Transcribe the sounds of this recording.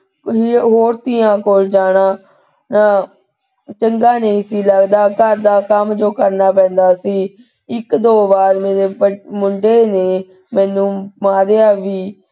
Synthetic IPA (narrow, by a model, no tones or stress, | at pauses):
ɦiɦoːɾt̪ɪːãːkoːld͡ʒaːɽ̃aː | naː | t͡ʃəŋɡaːnəĩːsiːləɡd̪aːkəɾd̪aːkəmd͡ʒoːkəɾnaːp̬ɛ̃ːnd̪aːsiː | ɪkd̪oːʋaːɾmeːɾeːəmʊɳɖeːneː | mɛ̃ːnũːmãːd̪eaːʋiː